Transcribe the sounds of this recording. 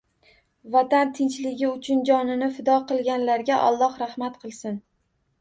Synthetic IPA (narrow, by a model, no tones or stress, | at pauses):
vat̪ant̪ʰɪnt͡ʃlɪɡʲɪʊt͡ʃʰʊnd͡ʒɒnɪnɪfɪd̪ɒqɨlˠɡʲanlaɾɡʲaʔɒ̰lˠːɒhɾahmat̪qʰɨlˠsɪn